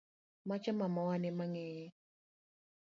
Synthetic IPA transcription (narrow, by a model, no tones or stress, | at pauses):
mat͡ʃɔmamɔwanɪmaŋɛjɛ